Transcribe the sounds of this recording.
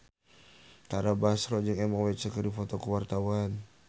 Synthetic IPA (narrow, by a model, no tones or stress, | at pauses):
t̪aɾabaɦasɾɔd͡ʒɨŋɛmɔkwɛt͡ʃəkəɾdifɔt̪ɔkəwart̪awan